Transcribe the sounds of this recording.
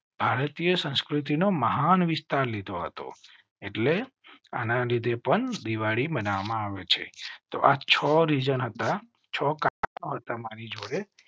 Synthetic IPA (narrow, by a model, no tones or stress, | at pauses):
b̥ʱaɾt̪ijəsə̃nskɾit̪̬inoməɦanʋɪst̪aɾlid̪ʱoɦə̰t̪o̰ | eʈlea̰nãlid̪ʱepəɳd̪iʋaɭibənaʋmãaʋet͡ʃʰḛt̪o̰ʔat͡ʃʰɔɾid͡ʒənɦət̪a | t͡ʃʰɔkaanoɦət̪amaɾid͡ʒoɽe